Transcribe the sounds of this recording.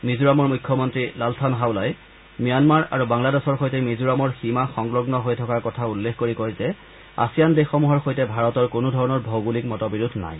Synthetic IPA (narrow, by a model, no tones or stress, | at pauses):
mizuɹamɔɹmujkʰːjɔmɔntɹilaltʰanɦawlaj | mijanmaɹa̰ɹubaŋladesɔɹxojtɛmizuɹamɔɹsimaxɔŋɡlɔɡnɔɦojtʰɔkaɹkɔtʰaulːexkoɹikojzɛ | a̰sijandexɔmuɦɔɹxojtɛbʱaɹɔtɔɹkonʊdʱɔɹɔnɔɹbʱowɡulikmɔtɔbiɹudʱna̰j